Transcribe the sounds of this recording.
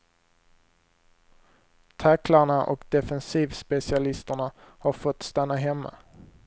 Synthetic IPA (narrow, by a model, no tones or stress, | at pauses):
t̪ʰaklaɳaʔɔ̰kd̪ɛfɛnsiːvspɛsɪalɪst̪əɳahaɾfɔt̪ːst̪anːaɦɛmːa̰